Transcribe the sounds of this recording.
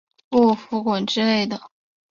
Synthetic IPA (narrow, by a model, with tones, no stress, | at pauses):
u˥˩fu˧˥kwə˨˩nʈ͡ʂɻ̩˥le˥˩ɪd̪ə˩